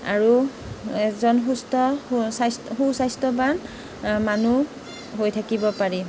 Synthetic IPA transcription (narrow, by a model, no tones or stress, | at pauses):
a̰ɹu | ɛzɔnxustɔsastxusajstɔban | manu | ɦojtʰakibɔpaɹi